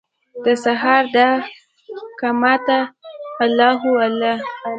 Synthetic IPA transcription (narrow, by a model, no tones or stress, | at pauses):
d̪əsaɦɑɾd̪a | kamɑt̪aalɑɦuala